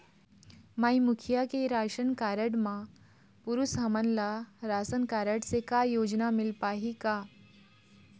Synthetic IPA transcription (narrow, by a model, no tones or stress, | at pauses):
maimukʰijakeɾaːʃənkaɾəɽmã | puɾusɦəmənlaɾaːsənkaːɾəɽsekajoːd͡ʒnamɪlpaːɦika